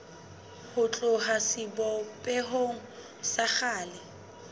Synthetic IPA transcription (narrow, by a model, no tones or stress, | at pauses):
hʊt͡ɬʼʊɦasɪbɔpʼɛɦoŋ̩ | saχaːlɪ